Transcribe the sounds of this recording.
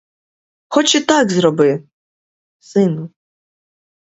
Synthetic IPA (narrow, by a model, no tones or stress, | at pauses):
xɔt͡ʃit̪akzɾɔbɨ | sɨnu